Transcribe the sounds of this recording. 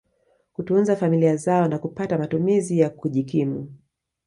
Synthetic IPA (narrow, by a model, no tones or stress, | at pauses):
kutunzafamiliazaɔnakupatamatumizijakuʄikimṵ